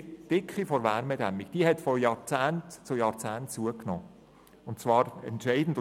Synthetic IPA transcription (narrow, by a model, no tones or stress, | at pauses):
d̥ɪkχifɔɾʋæːɾmɛd̥æmikd̥iəɦɛtfɔjɑːɾt͡sæːntt͡sʊjɑːɾt͡sæːntt͡suəknɔː | ʊntt͡svɑːɾɛ̰ntʃɛɪd̥n̩d